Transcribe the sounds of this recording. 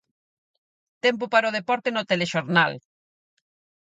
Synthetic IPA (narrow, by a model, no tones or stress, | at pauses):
t̪ɛmpʊpaɾoð̞epɔɾt̪enot̪eleʃoɾnal